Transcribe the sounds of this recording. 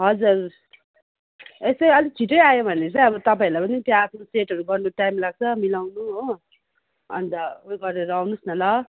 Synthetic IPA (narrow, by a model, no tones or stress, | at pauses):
ɦʌd͡zur | esʌjʌlit͡sʰiʈʌjajobʱʌneɾt͡saj̃ʌbʌt̪ʌpaĩlajpʌnit̪jãːpʰnoseʈɦʌɾuɡʌrnuʈajmlaɡ̚t͡sʰʌmilawnuɦo | ʌ̰nt̪ʌoɡʌrneɾawnusnʌlʌ